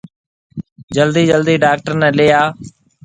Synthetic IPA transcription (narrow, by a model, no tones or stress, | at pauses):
d͡ʒəld̪iːd͡ʒəld̪iːɖaːk̚ʈəɾnɛːleːaː